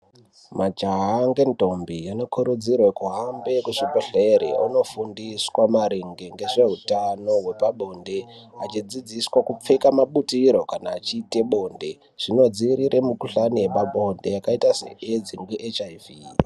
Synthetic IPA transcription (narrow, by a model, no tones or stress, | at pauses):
mad͡ʒaɦaŋɡe̞nto̞mbijano̞kʰuɾud͡zirwekuɦambe̞kuʐipoɬeɾḛuno̞fundiswamaɾeŋɡeŋɡe̞ʐe̞ɦutano̞ɦwe̞paɓo̞nde̞at͡ʃid͡zid͡ziswakup͡fekamaɓutiɾo̞kanaːt͡ʃiːte̞ɓo̞ːnde̞ | ʐ̥ino̞d͡ziiɾiɾʔemukuɬanijepaɓo̞nde̞jakaitasḛed͡ziŋɡwiʔet͡ʃaiviː